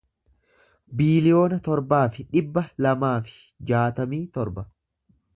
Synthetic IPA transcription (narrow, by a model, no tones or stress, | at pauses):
biːlɪjo̞ːnɐt̪ɔɾbaːfɪᶑɪbːɐlɐmaːfɪ̥ | d͡ʒaːt̪ɐmiːt̪ɔɾbɐ